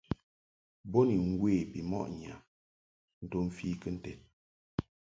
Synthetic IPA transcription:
bo˦ni˨ŋ˦ɡwe˦˨bi˨mɔ̰˦ʔɲ˨a̰˨ | n̩˨to˦m̩˨fi˦kə˦n̩˦tɛ˨t̚

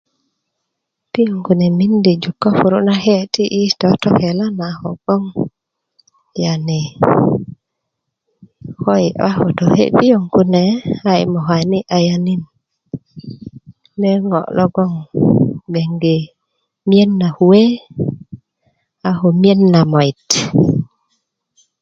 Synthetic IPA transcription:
pi˦jo˨ŋku˨ne˨mi˦ndi˨d͡ʒu˨kːo˦fu˨ɾṵ˦na˦he˦ti˦ʔi˦totɔhela˦naho̰˨ɡ̥ɔ˦ŋ | jani˨ | xojiwa˦ho˨tɔhḛpi˦joŋkune˨aḭmo˨haniʔajani˦n | ne˦ŋɔ̰˨lɔ˦ɡɔ˦ŋ | be˨ŋɡe | mi˦e˦nːa˨huwe˦ | ahomi˦e˦nːa˨mo˨it

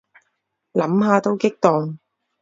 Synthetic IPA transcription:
lɐ˨˥mɦaː˨˧t̪o˥wkɪ˥k̚t̪ɔː˨ŋ

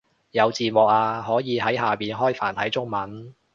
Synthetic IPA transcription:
jɐ˨˧wt͡siː˨t̚mʊ˨k̚aː˧ɦɔː˨˥jiː˨˧ɦɐ˨˥jɦaː˨˩piː˨nɦɔː˥jfa̰ː˨˩nt̪ʰɐ˨˥jt͡sʊ˥ŋmɐ˨˥n

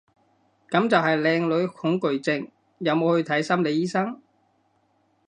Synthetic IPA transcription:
kɐ˨˥mt͡sɐ˨wɦɐ˨jlɛː˧ŋlɵ˨˧˥ɥhʊ˨˥ŋkɵ˨ɥt͡sɪ˧ŋ | jɐ˨˧wmo˨˧whɵ˧t̪ʰɐ˨˥jsɐ˥mle˨˧jiː˥sɐ˥ŋ

